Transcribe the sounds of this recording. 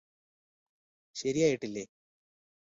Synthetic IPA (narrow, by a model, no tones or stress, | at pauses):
ɕɐɾijaːjiʈːilːeː